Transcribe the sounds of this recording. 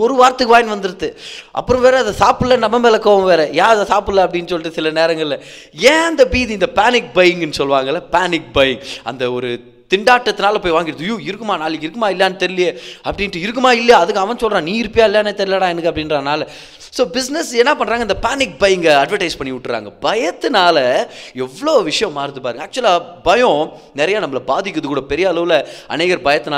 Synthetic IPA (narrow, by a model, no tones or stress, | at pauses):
ɔɾɯʋaːɾɐt̪ɯkːɯʋaːjɪnʋɐnd̪ɯɾɯt̪ːɯʔɐ̰pːɯɾɐ̃ʋeːɾɛɐðɐsaːpɯlːɐnɐmːɐmɛːlɐkːoːʋɐ̃mʋeːɾɛjaːɐðɐsaːpɯlːɐɐpːɐɽɪnːɯsɔlːɪʈːɯsɪlɐneːɾɐŋɡɐɭɪlɐ | ẽːɐnd̪ɐbiːðiɪnd̪ɐpaːnɪk̚bɐjɪŋɡɛnːɯsɔlʋaːŋɡɐlɐpaːnɪk̚bɐjɪŋɐ̰nd̪ɐɔɾɯ | t̪ɪɳɖaːʈːɐt̪ːɯnaːlɐpoːjʋaːŋɡɪɾɐðɯjuːɪɾɯkːɯmaːnaːlɪɪɾɯkːɯmaːɪlːjaːnɯt̪ɛɾɪlɪjeɐpːɐɽɪnʈːɯɪɾɯkːɯmaːɪlːɐjaːɐðɯkːɐʋɐnsɔlɾãːniːɪɾɯpːɪjaːɪlːjaːneːt̪ɛɾɪlaːɽãːɛnɯkːɐpɐɽɪnɾaːnaːlɐ | soːbɪsnɛsɛnːɐpɐɳːɾaːɡɐnd̪ɐpaːnɪk̚bɐjɪŋɡɐɐɖʋɐʈɐɪspɐɳːɪʋʊʈːɯɾa̰ːŋɡɐbɐjɐt̪ːɯnaːlɐɛʋːɐɭoːʋɪʂɐjɐ̃mːaːɾɯnd̪ɯpːaːɾɯŋɡɐːk̚t͡ʃʊɐlabɐjɔ̃ | nɛɾɐjaːnɐmːɐlɐbaːðɪkːɐðɯkːuːɽɐpɛɾɪjɐɐɭɐʋɯlɐɐ̰neːɣɐɾbɐjɐt̪ːɯnaː